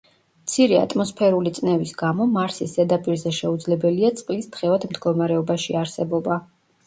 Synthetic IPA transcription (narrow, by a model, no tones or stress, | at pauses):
mt̪sʰiɾɛa̰t̪ʼmɔspʰɛɾulit̪sʼnɛvisɡamɔmaɾsisɛd̪apʼiɾzɛʃɛud̪zlɛbɛliat̪sʼqʼlist̪χɛvad̪md̪ɡɔmaɾɛɔbaʃiaɾsɛbɔba